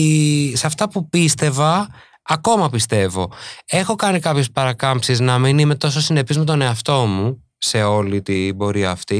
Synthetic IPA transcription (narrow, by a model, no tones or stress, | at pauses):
sɐft̪ɐpupist̪e̞vɐː | ko̞mɐpist̪e̞vo̞e̞xo̞kɐnikɐpço̞spɐɾɐkɐmpsiznɐminime̞t̪o̞sosine̞pizme̞t̪o̞ne̞ɐft̪o̞mu | se̞o̞lit̪ibo̞ɾiɐːft̪i